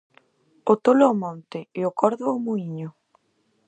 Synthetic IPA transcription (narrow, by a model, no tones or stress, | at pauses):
ʊt̪oloomɔnt̪ɪɪʊkɔɾðʊːmuiɲʊ